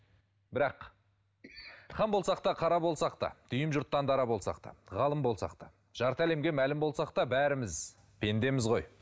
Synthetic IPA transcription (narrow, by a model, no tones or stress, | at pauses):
bɪɾɑq | χɑmbo̞lˠsɑqt̪ɑqʰɑɾɑbo̞lˠsɑq̚t̪ɑ̰d̪̥ʏjɪmʒʊɾt̪ːɑnd̪ɑɾɑbo̞lˠsɑ̰qt̪ɑ̰ʁɑlˠəmbo̞lˠsɑ̰qt̪ɑ̰ | ʒ̥ɑɾt̪əæle̞mɡʲe̞mælɪmbo̞lˠsɑq̚t̪ɑbæɾɪmɪz | pʰe̞nd̪e̞mɪzʁo̞j